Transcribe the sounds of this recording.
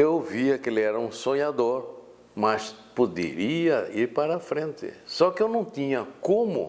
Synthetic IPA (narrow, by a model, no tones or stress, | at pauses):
ewviɐkɪelɪɛɾɐũsoɲad̪oɾ | mɐspod̪ḛɾiɐiɾpaɾɐfɾẽnt̪ɪ̰sɔkɪewnɐ̃w̃t̪ĩɲɐkõmʊ̰